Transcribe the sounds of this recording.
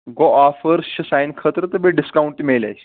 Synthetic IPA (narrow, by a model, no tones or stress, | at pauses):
ɡoafəɾɕisajnkʰət̪ɾət̪əbeɖiskawɳʈimela̰jɕ